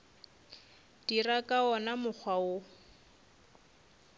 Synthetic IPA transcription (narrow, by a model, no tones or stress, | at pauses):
d̥irakʼaɔnamʊk͡xʰwao